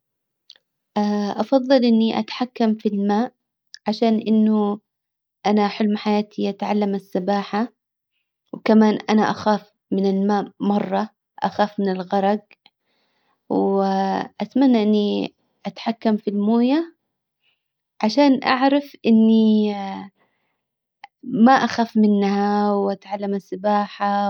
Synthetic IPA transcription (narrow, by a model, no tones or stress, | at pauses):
ʔaːʔɑfɑðˤːɨlʔɪnːiʔa̰t̪ħakːamfilmaːʔ | ʕaʃaːnʔɪnːʊ | ʔanaħʊlmħajaːt̪ʰiʔat̪ʕalːamasːabaːħa | wkamaːnʔanaʔaxaːf | mɪnɪlmaːʔmɑrˤːɑ | ʔa̰xaːfmɪnɪlɣɑɾˤɑɡ | w | ʔat̪manːaʔɪnːi | ʔat̪ħakːamfilmoːja | ʕaʃaːnʔa̰ʕɾˤɑfʔɪnːi | maʔaxaːfmɪnːhawʔat̪ʕalːamasːabaːħa